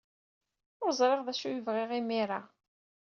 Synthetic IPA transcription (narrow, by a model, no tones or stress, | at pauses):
ʊɾzˤɾˤeʁðæʃujəvʁɪʁimiɾa